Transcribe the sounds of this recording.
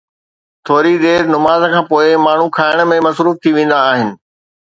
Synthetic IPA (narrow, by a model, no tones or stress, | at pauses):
t̪ʰoːɾid̪eːɾnʊmaːzkʰãːpoːɪmaːɳ̤ukʰaːɪɽ̃̆mẽmɐsɾuːft̪ʰiʋẽːn̆d̪aːɦɪnɪ̆